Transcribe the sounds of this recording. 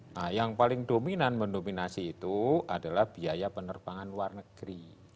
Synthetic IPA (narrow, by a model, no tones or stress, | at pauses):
ʔajaŋpalɪŋdominanmənominasiːt̪uʔad̥alahb̥iajapənərb̥aŋanluarnəɡ̥ɾi